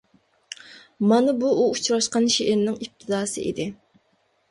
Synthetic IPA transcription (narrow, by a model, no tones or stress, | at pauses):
mɑnɨbuːut͡ʃʰɾɑʃqɑnʃeʔɪɾnɪŋip̚t̪ʰɨd̪ɑːsɨ̰ʔḭd̪ɪ